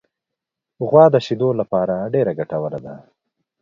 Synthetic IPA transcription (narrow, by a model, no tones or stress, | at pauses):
ɣwɑd̪əʃid̪olapɑɾaɖeɾaɡaʈawəlad̪a